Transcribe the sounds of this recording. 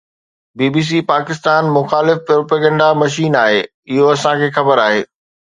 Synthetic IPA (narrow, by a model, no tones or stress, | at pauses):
biːbiːs̬ipaːkɪst̪aːnmʊxaːlɪfpɾoːpaːɡə̃ɳɖamɐʃ̬iːnaːɦeː | ɪɦoɐsãkʰeːxɐbəɾaːɦeː